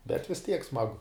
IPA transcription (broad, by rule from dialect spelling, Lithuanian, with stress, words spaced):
bʲɛt ʋʲɪs tʲiɛk ˈsmɑːɡʊ